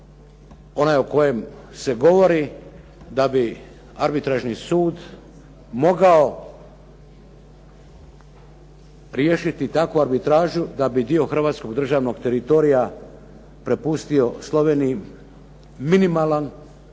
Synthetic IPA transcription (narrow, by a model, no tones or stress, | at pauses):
o̞naːjo̞ko̞je̞mse̞ɡo̞ʋo̞ɾi | d̪abi | aɾbit̪ɾaʒnisuːd̪ | mo̞ɡao̞ | ɾjeʃit̪it̪akʋuaɾbit̪ɾaːʒud̪abid̪io̞xr̩ʋaːt̪sko̞ɡd̪r̩ʒaːʋno̞ɡt̪e̞ɾit̪o̞ɾija | pɾe̞pust̪io̞slˠo̞ʋe̞ːniji | minimaːlan